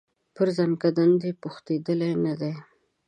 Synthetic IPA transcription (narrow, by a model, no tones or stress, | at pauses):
pəɾzankad̪and̪epʊxt̪ed̪əlenad̪e